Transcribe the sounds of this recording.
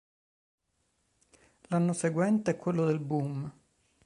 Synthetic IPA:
lanːoseɡwɛnt̪eɛkːwelːod̪elbum

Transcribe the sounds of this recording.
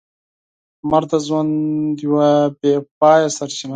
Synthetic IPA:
maɾt̪azwand̪iwabepɑːjasaɾt͡ʃina

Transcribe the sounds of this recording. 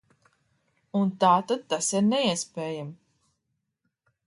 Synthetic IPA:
unt̪aːt̪ad̪̚t̪asiɾnɛiɛspʲeːjam

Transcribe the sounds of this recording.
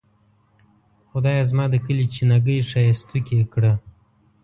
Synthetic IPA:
xʊd̪ɑjazmɑd̪əkəlit͡ʃinaɡəjʂɑjast̪ukʲekɽa

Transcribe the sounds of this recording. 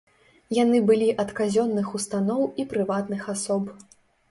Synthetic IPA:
janɨbɨlʲiʔɐt̪kazʲɔnːɨxust̪anɔwipɾɨvat̪nɨxasɔp

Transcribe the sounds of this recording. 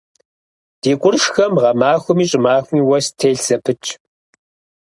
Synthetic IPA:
d̥eːkʷʼʊrʂxɐmʁɐmaːxʷʊmiːɕʼɪmaːxʷmiːwɐstʰeːɬsɐpʰɨt͡ʃʼʰ

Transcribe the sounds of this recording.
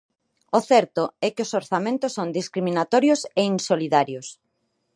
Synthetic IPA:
oθɛɾt̪ʊɛkɪosoɾθamẽnt̪ʊsːond̪iskɾimĩnat̪ɔɾjoseinsoliðaɾjos

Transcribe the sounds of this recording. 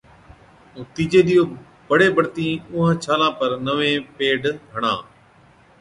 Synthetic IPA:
ũːt̪iːd͡ʒeːɗ̪ijoː | bəɽeːbəɽt̪ĩːʊ̃ɦãt͡ʃʰaːlãːpəɾnəʋẽːpeːɖɦəɽ̃ã̰ː

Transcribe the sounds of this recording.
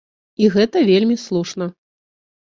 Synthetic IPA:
iɣɛt̪ɐvʲelʲmʲislˠuʂnɐ

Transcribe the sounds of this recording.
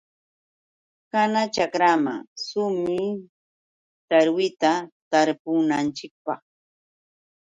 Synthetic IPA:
kanat͡ʃakɾama̰sʊmi | t̪aɾwɪt̪at̪aɾpʊnant͡ʃɪk̚pɑ̰χ

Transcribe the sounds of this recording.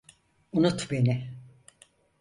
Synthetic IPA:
unut̪be̞nɪ

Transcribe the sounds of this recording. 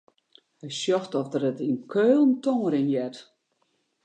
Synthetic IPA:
hɛjsjɔxtɔfdərətinkʰøːlˠən̩toŋəɾinjɛt

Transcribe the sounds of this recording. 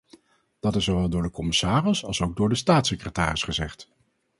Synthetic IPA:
d̥ɑtɪsːowʋɛlˠdʊːɹdəkɔmɪsaːrɪsɑ̰lˠsowɡ̚dʊːɹdəstaːtsɪkrəta̰ːrɪsχəzɛχt

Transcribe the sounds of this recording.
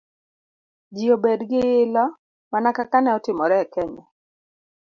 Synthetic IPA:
d͡ʒiobedɡɪɪlɔ | manakakanɛɔtɪmɔɾɛkɛɲɔ

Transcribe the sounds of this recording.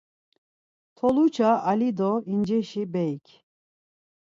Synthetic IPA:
t̪ʰɔlut͡ʃʰaalid̪ɔind͡ʒɛʃibɛjkʰ

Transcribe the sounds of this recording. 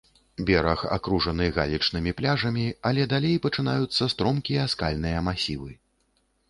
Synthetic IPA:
bʲɛɾɐxa̰kɾuʐɐnɨɣa̰lʲit͡ʂn̪ɨmʲiplʲaʐɐmʲiɐlʲɛd̪alʲejpɐt͡ʂɨn̪ajut̪sːɐst̪ɾɔmkʲijɐskalʲnɨjɐmasʲivɨ

